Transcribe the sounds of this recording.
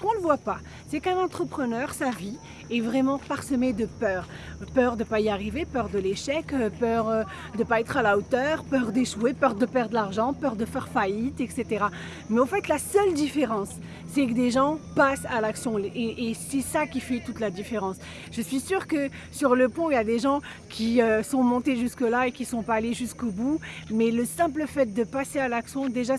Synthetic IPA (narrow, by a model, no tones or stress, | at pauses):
səkɔ̃ləvwapa | sɛkɛ̃nɑ̃t̪χəpχənœʁsavi | ɛvʁɛmɑ̃paʁsəmed̪əpœːʁ | pœʁd̪əpaiaʁivepœʁd̪əleʃɛkpœʁø | d̪əpaɛt̪χalaot̪œʁpœʁd̪eʃwepœʁd̪əpɛʁd̪ʁəlaʁʒɑ̃pœʁd̪əfɛʁfajit̪ɛkset̪eʁa | mɛɑ̃fɛt̪lasœld̪ifeʁɑ̃sː | ɛkəd̪eʒɑ̃pasalaksjɔ̃eʔesɛsakʲifɛt̪ut̪lad̪ifeʁɑ̃s | ʒ̥əsɥisyːʁkə | syʁləpɔ̃iljad̪eʒɑ̃ | kʲʰiøsɔ̃mɔ̃t̪eʒyskəlaekʲisɔ̃paːleʒyskobumɛləsɛ̃pləfɛt̪̚d̪əpasealaksjɔ̃d̪eʒa